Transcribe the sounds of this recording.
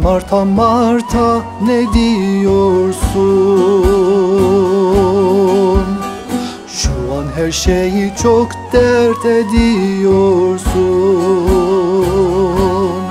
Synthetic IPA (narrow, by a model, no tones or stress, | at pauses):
maɾt̪ʰamaɾt̪ʰa | nɛd̪ijoɾsu | n | ʃuanɦæɾʃejit͡ʃʰokd̪̥ɛɾt̪ʰɛd̪ijoɾsu | n